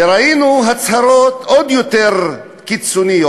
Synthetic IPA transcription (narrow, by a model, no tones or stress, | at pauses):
ɾainuɦat͡shaɾo̞t̪od̪jot̪eʁ | kit͡sonijo